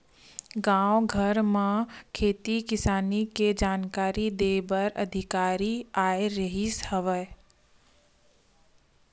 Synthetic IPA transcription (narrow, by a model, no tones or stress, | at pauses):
ɡãwɡʱəɾmãkʰeːt̪ikɪsaːniked͡ʒaːnkaːɾid̪eːbəɾə̰d̪ʱɪkaːɾiaːeɾəɦishəʋə